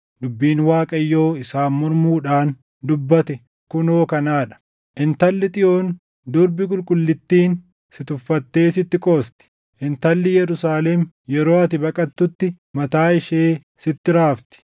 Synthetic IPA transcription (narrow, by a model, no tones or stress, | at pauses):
d̪ʊbːiːnwaːkʼɐjːo̞ːɪsaːnmɔɾmuːᶑaːn | d̪ʊbːɐt̪ɛ | kʊnoːkɐnaːᶑɐ̥ | ʔɪnt̪ɐlːɪt̪ʼɪjo̞ːn | d̪ʊɾbɪkʼʊlkʼʊlːɪt̪ːiːn | sɪt̪ʊfːɐt̪ːe̞ːsɪt̪ːɪkʼo̞ːst̪ɛ̥ | ʔɪnt̪ɐlːɪjɛɾʊsaːlɛm | jɛɾo̞ːɐt̪ɪbɐkʼɐt̪ːʊt̪ːɪ | mɐt̪aːɪʃeː | sɪt̪ːɪɾaːft̪ɪ̥